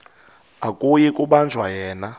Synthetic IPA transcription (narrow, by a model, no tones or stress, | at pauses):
akʼujikʼuɓand͡zʱwajɛːna